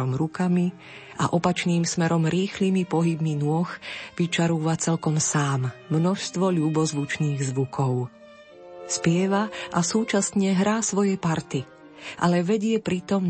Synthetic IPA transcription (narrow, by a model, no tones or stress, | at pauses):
ɔmɾukami | ʔa̰ʔɔpat͡ʃniːmsmɛɾɔmɾiːxlimipɔɦibminʊɔxʋit͡ʃaɾuːʋat͡sɛlkɔmsaːmːnɔʃst̪ʋɔʎuːbɔzʋut͡ʃniːɣzʋukʰɔʊ | spɪɛʋaʔasuːt͡ʃasɲɛɦɾaːsʋɔjɛpaɾt̪i | ʔa̰lɛʋɛɟɪɛpɾit̪ɔm